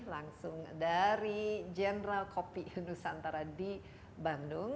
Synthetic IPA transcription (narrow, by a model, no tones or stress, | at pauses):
laŋsʊŋdaɾid͡ʒɛnəɾalkopiunusant̪aɾadi | bandʊŋ